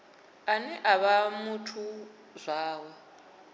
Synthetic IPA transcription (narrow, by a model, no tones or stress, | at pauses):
anɛʔaβamutʰu | zʷaːwa